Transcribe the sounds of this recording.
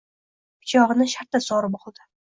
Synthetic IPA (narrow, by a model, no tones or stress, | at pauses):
pʰʊ̥t͡ʃʰɒʁɨnɪʃaɾt̪asɒɾɪbɒlˠd̪ɪ